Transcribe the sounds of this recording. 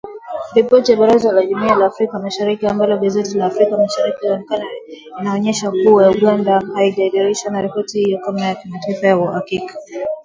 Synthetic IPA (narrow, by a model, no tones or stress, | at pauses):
ɾipɔtijaɓaɾazalaʄumialaːfɾikamaʃaɾikiambalɔɠazɛtilaːfɾikamaʃaɾikihaɔnɛkana | inaɔɲɛʃakuwajauɠandahaiʄaiɗaɾiʃwanaɾɛpɔtihijɔkamajakimataifajauhakikḁ